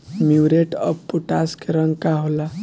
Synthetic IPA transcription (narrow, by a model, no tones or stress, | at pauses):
muɾeʈʌppːuʈaskeɾəŋkaɦola